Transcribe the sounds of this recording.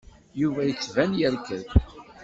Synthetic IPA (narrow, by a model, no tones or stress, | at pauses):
juvæjət͡sːvænjəɾkəθ